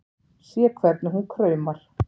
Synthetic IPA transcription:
sjɛkʰvɛɾt̪nɪɦunkʰɾœːɥmaɾ̥

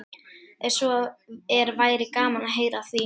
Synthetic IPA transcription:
ɛ̥sɔðɛɾvaːjɾɪkaːmanaɦeːjɾaθvi

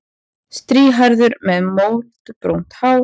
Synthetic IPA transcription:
st̪ɾiːɦajɾðʏɾmɛðmoːwt̪pɾo̰wn̥t̪haːw

